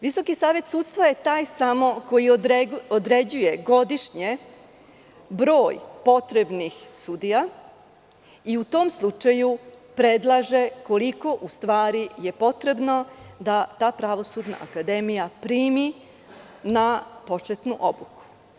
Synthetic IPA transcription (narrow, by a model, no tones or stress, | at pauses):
ʋiso̞kisaːʋe̞t̪suːt̪st̪ʋoje̞t̪aːjsamo̞ko̞jiod̪ɾe̞d͡ʑuje̞ɡo̞d̪iʃɲe | bɾo̞ːjpo̞t̪ɾebnixsud̪ija | iut̪oːmslˠut͡ʃaju | pɾe̞d̪lˠaʒe̞ko̞liko̞ʔust̪ʋaːɾije̞po̞t̪ɾe̞bno̞d̪at̪aːpɾaʋo̞sud̪na̰ʔakad̪e̞mijapɾiːmi | napo̞t͡ʂet̪nuʔo̞buku̥